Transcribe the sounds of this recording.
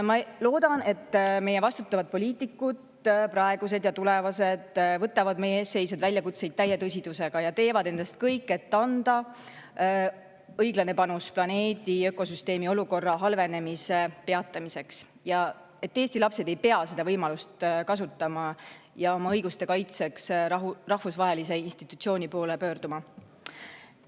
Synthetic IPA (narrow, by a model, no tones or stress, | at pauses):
mɑlo̞ːd̪̥ɑne̞t̪ːme̞jevɑst̪ut̪ːˑɑvɑd̪̚po̞lʲiːt̪ːˑikːud̪̥ | prɑeɡ̥us̬e̞d̪jɑt̪ule̞vɑse̞d̪̥vɤt̪ːˑɑvɑd̪̥me̞jeeːsːe̞jsɑd̪vælʲjɑkut̪se̞jd̥̪̚t̪æjet̪ɤs̬ʲid̪̥use̞ɡ̥ɑjɑt̪e̞ːvɑd̪e̞nd̪ɑst̪̚kɤjkːe̞t̪ːɑnd̪̥ɑ | ɤjɡlɑne̞pɑnusplɑne̞ːd̪̥iø̞ko̞syst̪e̞ːmio̞luko̞rːɑɦɑlve̞ne̞mise̞pe̞ɑt̪ːˑɑmise̞ks | jɑ | e̞t̪ːe̞ːsʲt̪ilɑpse̞d̪̥e̞jpe̞ɑse̞d̪ɑvɤjmɑlust̪kɑs̬ut̪ːˑɑmɑ | jɑo̞mɑɤjɡ̥ust̪e̞kɑjt̪se̞ksrɑhfusvɑɦe̞lise̞inst̪it̪ːˑut̪sio̞ːnʲipo̞ːlepø̞ːrd̪̥umɑ